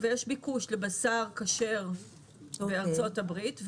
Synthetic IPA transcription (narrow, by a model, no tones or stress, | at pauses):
vejeʃbikuʃlebasaʁkaʃe̞ʁ | bbeaʁt͡so̞tabʁitv